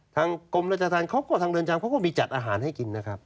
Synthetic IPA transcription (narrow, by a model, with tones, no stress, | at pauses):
t̪ʰaː˧ŋko˧mɾa˦˥˩t͡ɕaː˧t̪aː˧nkʰa˦˥wkɔː˥˩t̪ʰa˧ŋdɤː˧nt͡ɕʰaː˧ŋkʰa˦˥wkɔː˥˩miː˧t͡ɕa˨˩t̪̚ʔaː˧ɦaː˩˦nɦa˥˩jki˧nːa˦˥kʰɾa˦˥p̚